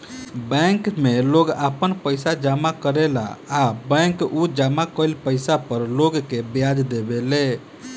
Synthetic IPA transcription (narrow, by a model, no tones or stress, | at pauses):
bɛ̃ŋkmeloɡapənpəɪsad͡ʒamakəɾela̰ːbɛ̃ŋkud͡ʒamakəlpəɪsapəɾloɡkebjad͡ʒd̪ebele